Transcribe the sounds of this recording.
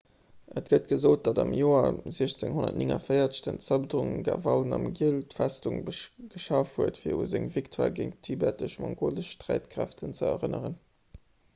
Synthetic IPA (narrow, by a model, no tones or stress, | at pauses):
ʔətɡ̥ət̚ɡ̥əzoːt̚d̥ɑdɑmjoːɐziəɕt͡seŋhonɐ̰tniŋɐ̰fəɪɐt͡sə̥tənt͡sɑbdʁuŋɡavɑlnɑmɡiəltfæstuŋɡ̥əʃɑfhuətfiːɐṵzeŋviktʰwaːɡeŋtʰibætəʃmɑŋkʰoləʃʃtʁæɪtkʁæftʰənt͡səɛʁənəʁən